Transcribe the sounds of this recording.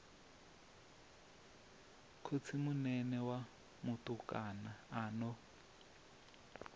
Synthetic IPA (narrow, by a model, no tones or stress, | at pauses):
kʰot͡sʰimunɛnɛwa | mʊtukʼanaːnɔ